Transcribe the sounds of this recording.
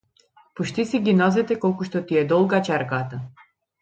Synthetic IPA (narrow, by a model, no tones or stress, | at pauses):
pɔʃt̪isiɡinɔzɛt̪ɛkɔlˠkuʃt̪ɔt̪iɛd̪ɔlˠɡat͡ʃɛɾkat̪a